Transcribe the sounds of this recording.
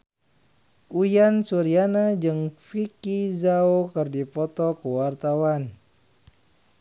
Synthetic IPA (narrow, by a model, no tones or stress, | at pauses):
ʔujansuɾianad͡ʒɨŋfikizaokɨrdipɔt̪ɔkəwart̪awan